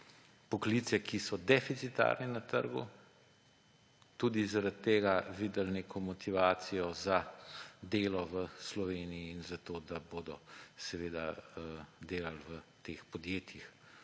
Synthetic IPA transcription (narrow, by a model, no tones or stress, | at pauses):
pɔklit̪sɛkisɔd̪ɛfit̪sit̪a̰ɾnɛnat̪ə̰ɾɡṵ | t̪uːd̪izaɾat̪ːeːɡaʋiːd̪əlneːkʰɔmɔt̪ʰiʋaːt̪sijɔzad̪eːlɔʋəslɔʋeːnijiːnzat̪oːd̪aboːd̪ɔsɛʋeːd̪a̰əd̪eːlalʋət̪eːxpɔd̪jeːt̪jix